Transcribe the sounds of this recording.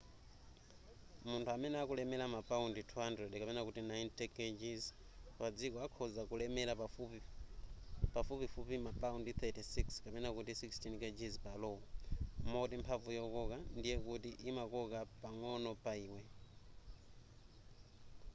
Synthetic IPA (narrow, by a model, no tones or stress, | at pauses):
muntʰuamɛnɛakulɛmɛlamapʼaunditʰuɦandɾɛdkapɛnakutinajntɛked͡ʒiz | pad͡zikɔakʰɔzakulɛmɛlaaf | pafupifupimapʼaundit̪ʰɛtʰisikskapɛnakutisikstʰinked͡ʒizpalɔɔmɔtimpʰavujɔkɔkandijɛkutiʔimakɔkapaŋɔnɔpʼaiːwɛ